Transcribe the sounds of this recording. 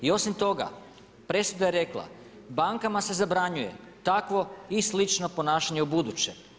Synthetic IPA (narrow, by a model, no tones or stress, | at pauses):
io̞simt̪o̞ɡa̰ | pɾe̞sud̪aje̞ɾe̞klˠa̰ | baŋkamase̞zabɾaɲuje̞̰ | t̪akʋo̞islit͡ʃno̞po̞naːʃaɲe̞ubud̪ut͡ɕe